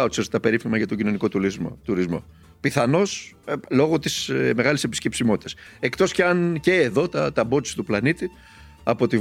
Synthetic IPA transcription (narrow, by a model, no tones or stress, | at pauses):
ot̪isest̪et̪ɐpe̞ɾifimɐʝɐt̪o̞ɟino̞niko̞t̪uɾizmo̰t̪uɾizmo̞̰ | piθɐno̞slo̞ɣo̞t̪isme̞ɣɐlesepisce̞psimo̞t̪i̥t̪ese̞kt̪o̞sceɐnce̞ːðo̞t̪ɐt̪ɐbo̞t̪i̥si̥t̪uplɐnit̪i | ɐpo̞t̪i